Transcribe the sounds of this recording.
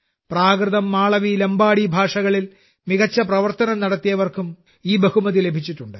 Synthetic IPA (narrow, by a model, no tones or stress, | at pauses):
praːkrɨðɐmːaːɭɐʋilɐmbaːɽibʱaːʂɐɣɐɭil | miɣɐt͡ɕːɐprɐʋɐrt̪ɐnɐmnɐɽɐt̪ːijɐʋɐrkum | iːbɐhumɐðile̞bʱit͡ɕːiʈːuɳɖɨ